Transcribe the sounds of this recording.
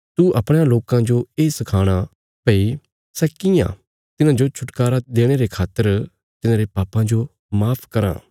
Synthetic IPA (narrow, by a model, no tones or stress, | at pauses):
t̪uʔɐpɽ̃aloːkãd͡ʒoeːsɐkʰaːɽ̃a | pɐi | sɛːkɪjã̰ | t̪ɪnãd͡ʒot͡ʃʰʊʈkaːɾad̪eːɽ̃eɾekʰaːt̪ːəɾ | t̪ɪnãːɾepaːpãd͡ʒo | maːpʰkɐɾã̰ː